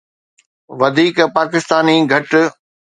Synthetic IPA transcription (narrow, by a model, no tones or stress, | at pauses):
ʋɐd̪ʱiːkpaːkɪst̪aːniɡʱɐʈ